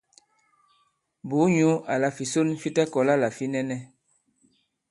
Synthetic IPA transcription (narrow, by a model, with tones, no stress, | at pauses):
bu˨˦ɲu˦a˨la˨fi˨so˦nfi˦ta˦kɔ˨la˦la˨fi˦nɛ˦nɛ˦